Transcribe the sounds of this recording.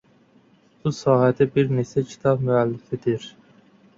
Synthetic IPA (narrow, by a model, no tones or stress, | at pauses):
b̥usɑːhɛd̪ɛbiɾnesɛcʰi̥t̪ʰɑbmyælːɪfɪd̪ɪɾ